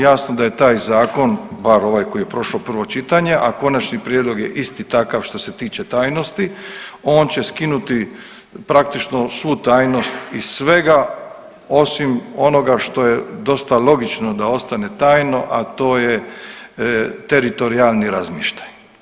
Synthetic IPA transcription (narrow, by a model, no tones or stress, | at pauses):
jaːsnod̪aje̞t̪aːjzaːko̞nbaɾo̞ʋajko̞ije̞pɾo̞ʃlopr̩ʋo̞t͡ʃit̪aɲe̞ʔako̞nat͡ʃnipɾjed̪lo̞ɡjḛʔist̪it̪akaʋʃt̪o̞se̞t̪iːt͡ʃe̞t̪aːjno̞st̪io̞ːnt͡ɕe̞skinut̪i | pɾak̚t̪it͡ʃno̞sʋut̪aːjno̞st̪isʋe̞ɡa | o̞simo̞no̞ɡaʃt̪o̞je̞d̪o̞st̪alo̞ɡit͡ʃnod̪ao̞st̪ane̞t̪aːjno̞ʔat̪o̞ːje | t̪e̞ɾit̪o̞ɾialniɾazmiːʃt̪ḁj